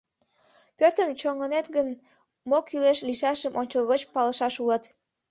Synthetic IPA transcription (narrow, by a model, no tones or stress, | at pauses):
pørt̪əmt͡ɕoŋənet̪ɣən | mokyleʃliʃɑʃəmʔonʲt͡ɕəlɣot͡ɕpɑləʃɑʃulət̪